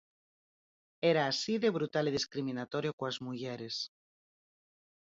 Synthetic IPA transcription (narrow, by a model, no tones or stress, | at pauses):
eɾaːsiðeβɾut̪alið̞iskɾimĩnat̪oɾjokoazmuʝeɾes